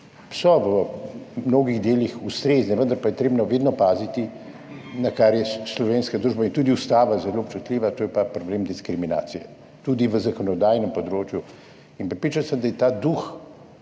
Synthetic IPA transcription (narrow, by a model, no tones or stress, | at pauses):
sɔʋəmnoːɡiɣd̪eːlixust̪ɾeznɛʋənd̪ɐɾpajɛt̪ɾeːbnɔʋeːd̪nɔpaːzit̪i | nakaɾjɛslɔʋeːnskad̪ɾuːʒbaint̪uːd̪iust̪aːʋazɛloːpt͡ʃut̪lʲiːʋat̪oːjɛpapɾɔbleːmd̪iskɾimina̰ːt̪sijɛ̰ | t̪ud̪iʋəzakɔnɔd̪aːjnɛmpɔd̪ɾoːt͡ʃju | inpɾɛtpɾiːt͡ʃansəmd̪ajɛt̪aːd̪ux